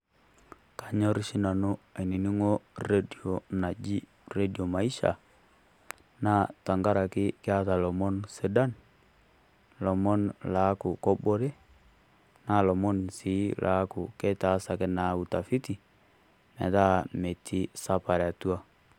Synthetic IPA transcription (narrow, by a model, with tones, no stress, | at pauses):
ka˨ɲɔ˦ɾʃi˦na˨nu˦a˨i˨ni˨ni˦ŋo˦re˦di˨o˨na˨d͡ʒi˦ | re˦dio˨ma˨i˦ʃa̰˨ | na˦ta˨ŋɡa˦ɾa˨kɪ˦kɪ˦a˦ta˨lɔ˨mɔ˦nsɛ˨da˦n | lɔ˨mɔ˦nla˨˦ku˨kɔ˦bɔ˦ɾe˦ | na˦lɔ˨mɔ˦nsi˦lʔa̰˦kʊ˨kɛ˦ta˦sa˨kɛ˦na˨u˨ta˨fi˦ti˨ | mɛ̰˨ta˦me˨tʰi˦sa˦pa˨ɾa˨tu˦a˦